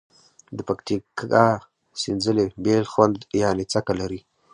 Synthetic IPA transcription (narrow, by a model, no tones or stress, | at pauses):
d̪əpakt̪ika | sɪnzəlebelxwand̪janet͡sakalaɾi